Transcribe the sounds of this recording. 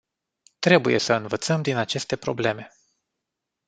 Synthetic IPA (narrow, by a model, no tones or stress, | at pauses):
t̪ɾe̞buje̞̰səɨnvət̪səmd̪inat͡ʃe̞st̪e̞pɾo̞̰ble̞me̞